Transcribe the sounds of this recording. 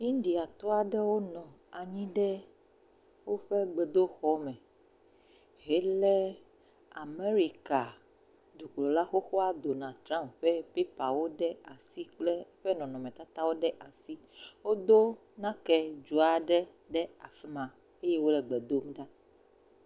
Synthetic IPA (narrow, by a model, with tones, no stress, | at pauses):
ɲĩ˦ɖi˨a˨t̪ɔ˦a˨ɖɛ˦wo˦nɔ̃˨ | a˨ɲĩ˦ɖɛ˦ | wo˦ɸe˦ɡ͡be˨d̪o˦xɔ˦mɛ̃˨ | ɦɛ˦lɛ˦ | a˨me˦ɾi˦ka˨ | d̪u˨k͡plɔ˨la˦xo˦xɔ˦a˦d̪o˨nã˨t̪ɾã˦mɸɛ˦pe˦pa˨wo˦ɖɛ˦a˨si˦k͡ple˦ɸɛ˦nɔ̃˨nɔ̃˨mẽ˨t̪a˦t̪a˦wo˦ɖɛ˦ʔa˨si˦wo˦d̪o˦ | nã˦kɛ˦d͡ʒu˨a˨ɖɛ˦ | ɖɛ˦a˨fɛ˦mã˨ | e˦je˦wo˦lɛ˨ɡ͡be˨d̪o˦m˦ɖa˦